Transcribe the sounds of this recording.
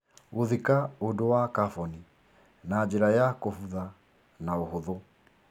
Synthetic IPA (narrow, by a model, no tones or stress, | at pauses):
oðikaondowakafɔni | naːd͡ʒeɾajakofuða | naoɦoðo